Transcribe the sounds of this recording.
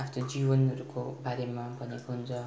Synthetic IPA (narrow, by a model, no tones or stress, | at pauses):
apʰt̪od͡zibʌnʌɾukobaɾemabʱʌnekoɦunt͡sʰʌ